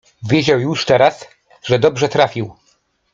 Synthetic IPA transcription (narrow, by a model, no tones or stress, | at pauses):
vʲjed͡ʑawjuʂt̪ɛɾas | ʐɛd̪ɔbʐɛt̪ɾafʲiw